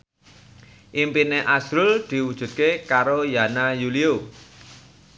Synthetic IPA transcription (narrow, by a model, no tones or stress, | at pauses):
ʔimpineʔasɾʊld̪̥i̤wud̥ʒ̥ṳt̪̚kekaɾojanajulio